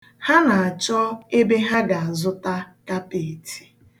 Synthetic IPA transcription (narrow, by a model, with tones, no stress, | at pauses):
ha˦na˨a˨t͡ʃɔ˦e˦be˦ɦa˦ɡa˨a˨zʊ˦ta˦ka˦pe˨tʰi̥˨